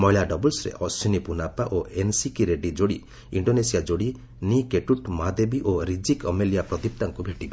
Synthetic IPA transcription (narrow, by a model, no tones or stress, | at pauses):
mɔɦilaɖɔbɔlsɾḛʔɔsinipunapaʔoʔensikiɾeɖid͡ʒoɽi | ḭɳɖonesijad͡ʒoɽi | nikeʈuʈmad̪ebiʔoɾid͡ʒikɔmelijapɾɔd̪ip̚t̪aŋkubʱeʈibe